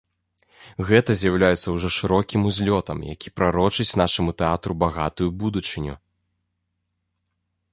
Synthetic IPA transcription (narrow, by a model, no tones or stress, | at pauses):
ɣɛt̪ɐzʲjawlʲajɛt̪sːɐwʐɔʂɨɾɔkʲimuzʲlʲɔt̪ɐmja̰kʲipɾaɾɔt͡ʂɨt͡sʲnaʂɐmut̪ɛat̪ɾubaɣat̪ujubud̪ut͡ʂɨnʲṵ